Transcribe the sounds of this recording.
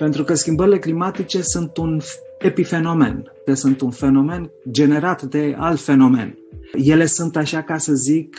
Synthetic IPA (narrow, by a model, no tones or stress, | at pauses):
pe̞nt̪ɾukəskʲimbəɾile̞klimat̪it͡ʃe̞sunt̪un | epife̞no̞me̞̰n | esunt̪unfe̞no̞me̞nd͡ʒe̞ne̞ɾat̪d̪e̞a̰lt̪fe̞no̞me̞̰n | je̞le̞sunt̪aʃakasəzik